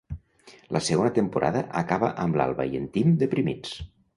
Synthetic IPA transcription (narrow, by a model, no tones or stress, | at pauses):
lʔəsəɣonət̪əmpuɾʔa̰ðəʔəkaβə̰ʔəmbla̰lˠβə̰jent̪imd̪epɾimit͡s